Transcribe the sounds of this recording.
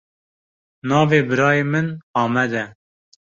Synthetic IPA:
nɑːveːbɨɾɑːjeːmɨnɑːmɛd̪ɛ

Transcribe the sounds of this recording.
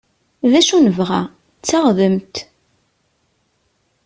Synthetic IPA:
ðæʃunəvʁæ̰ | t͡sːaʁðəmt̪

